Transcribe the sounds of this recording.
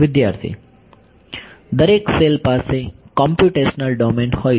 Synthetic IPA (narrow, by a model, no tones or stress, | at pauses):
ʋɪd̪jaɾt̪ʰḭ | d̪əɾekselpasekɔ̃mpjuʈesnəlɖɔmeɳɖhɔ